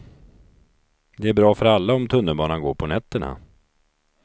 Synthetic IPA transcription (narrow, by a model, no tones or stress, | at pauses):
d̪ɛæɾbɾɑːfœɾalːaɔmt̪ʰɵnːəlbɑːnanɡoːɾpʰɔnɛt̪ːəɳa̰